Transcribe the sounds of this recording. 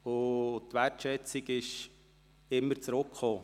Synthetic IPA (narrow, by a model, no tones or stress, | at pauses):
otʋærtʃɛt͡sɪɡɪʃ | ɪmːəɾt͡sɾʊkχoː